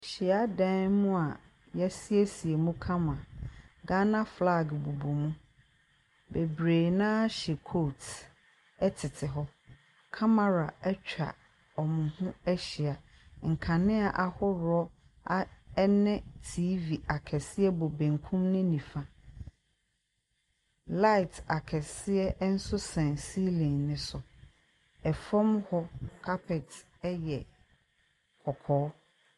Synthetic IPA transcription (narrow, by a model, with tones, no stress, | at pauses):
ɕɪ˨a˦dɛ̃˦nmʊ̃˦a˨ | jɛ˦si˦e˦si˨e˨mũ˦kʰã˦mã˨ɡã˦nã˦fla˦˨ɡbu˨bo˨mũ˦ | be˨bɾe˨nãː˦ɕɛ˨kʰoː˦˨t | ɛ˦tʰɪ˨tʰɪ˨ɦɔ˦ | kʰa˦ma˨ɾa˨ɛ˦t͡ɕᶣa̰˨ | ɔ˨mʊ̃˨hʊ̃˦ɛ˦ɕɪ˨a˨ | ŋ̩˨kʰã˨nɪ̃˦a˨ʔa˨hʊ˦ɾʊ˨˦ɔ˦ | a˦ɛ˦nɛ̃˦tʰiː˦vi˨a˨kʰɛ˨sɪ˦ɛ˦bo˨bẽ˨ŋkʰũ˦mnʊ̃˦nĩ˨fã˦ | la˦ɪ˨tʰa˨kʰɛ˨sɪ˦ɛ˦n̩˦sʊ˦sɛ̃˨nsi˦lĩ˨nːɪ̃˨sʊ˨ | ɛ˨fɔ̃˦mhɔ˦kʰa˦pʰɛ˨t | ɛ˦jɛ˨ | kʰɔ˨kʰɔː˨˦